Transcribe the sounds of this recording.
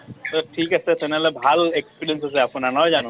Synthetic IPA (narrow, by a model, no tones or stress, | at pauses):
t̪ɔʈʰikasɛt̪ʰɛnɛlɛbʱalekspiɾiensasɛapunanɔjd͡ʒanũ